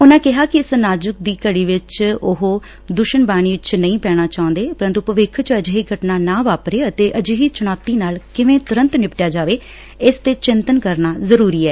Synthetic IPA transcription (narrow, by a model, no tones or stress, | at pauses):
ʊnãːkɪɦaːkɪɪsnaːd͡ʒʊk̚d̪iːkəɽiːʋɪt͡ʃʊɦoː | d̪ʊʃəɳbaːɽ̃iːʋɪt͡ʃnəĩːpɛːɽ̃aːt͡ʃaːʊ̃nd̪eːpəɾə̃nt̪uːpʋɪkʰːt͡ʃəd͡ʒɦiːɡəʈnaːnãːʋaːpɾeːət̪eːʔəd͡ʒɦiːt͡ʃʊñaːt̪iːnaːlkɪʋẽːt̪ʊɾənt̪nɪpʈjaːd͡ʒaːʋeː | ɪst̪eːt͡ʃɪnt̪ənkəɾnaːzəɾuːɾiːɛː